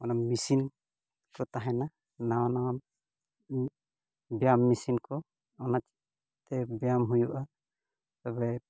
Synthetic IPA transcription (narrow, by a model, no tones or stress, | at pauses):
ɔnamisin | kɔt̪aɦɛna | nana | bjamːisinkɔ | ɔnat͡ʃi | t̪ɛbjamɦujuʔa | t̪ɔbɛ